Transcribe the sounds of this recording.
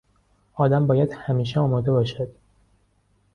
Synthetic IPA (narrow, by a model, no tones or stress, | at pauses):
ɒːd̪æmbɒːjæd̪̥hæmiːʃ̬eɒːmɒːd̪e̞bɒːʃæd̪̥